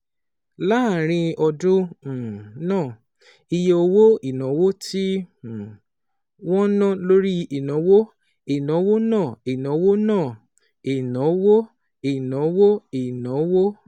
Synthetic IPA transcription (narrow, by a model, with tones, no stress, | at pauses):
la˦˨ɾ̃ĩ˧ɔ˧dũ˦˨ | nãː˦˨ | i˧je˧o˧wo˦i˨nɔ̃˨˦wo˦ti˦˨ | wɔ̃˦nã˦lo˦ɾi˦i˨nã˨˦wo˦ | i˨nã˨˦wo˦nãː˦˨i˨nɔ̃˨˦wo˦nãː˦˨ | i˨nɔ̃˨˦wo˦ | i˨nãɔ̃˨˦wo˦i˨nɔ̃˨˦wo˦